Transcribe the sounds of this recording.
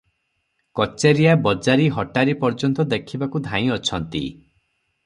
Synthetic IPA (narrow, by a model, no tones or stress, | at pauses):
kɔt͡ʃeɾijabɔd͡ʒaɾiɦɔʈaɾipɔɾd͡ʒɔnt̪ɔd̪ekʰibakud̪ʱãĩɔt͡ʃʰɔnt̪ḭ